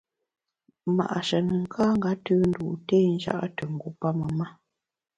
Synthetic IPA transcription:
ma̰˨ʔa˨ʃə˨nə˨ŋ̩˨kʰaː˦ŋ̩˦ɡa˦təː˦n̩˦dṵ˨teː˦n̩˦d͡ʒa̰˦˨ʔa˦tə˨ŋ̩˨ɡu˨˦pa˦mə˨ma˦

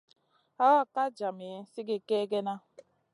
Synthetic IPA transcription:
a˦wa˦ka˦d͡ʒa˨mi˨e˦si˦ɡe˨ke˦ɡe˦na˦

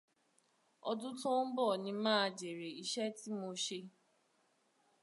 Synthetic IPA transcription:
ɔ˧dʊ˦tõ˦n̩˦bɔ˦˨nĩ˧mãː˦˨d͡ʒe˨ɾe˨i˦ʃɛ˦ti˦mo˧ʃe˧

